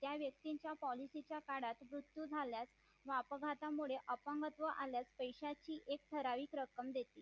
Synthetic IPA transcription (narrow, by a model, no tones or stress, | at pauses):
t̪jaʋjək̚t̪iɲt͡ɕjapɔlisit͡ɕjakaɽat̪ʋɾut̪jud͡zʱaljat͡s | ʋapɡʱat̪amuɭeʔəpəŋɡət̪ʋəʔaljaspəjɕat͡ɕiːʔek̚t̪ʰəɾaʋiːkɾəkəmd̪et̪iː